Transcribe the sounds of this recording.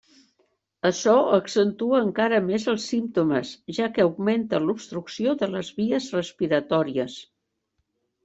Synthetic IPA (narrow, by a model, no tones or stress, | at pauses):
əʃɔəksənt̪uəːŋkaɾəmezəlˠsimt̪uməzʒakəuɡment̪əlupst̪ɾuksioðələzβiəzrəspiɾət̪ɔɾiəs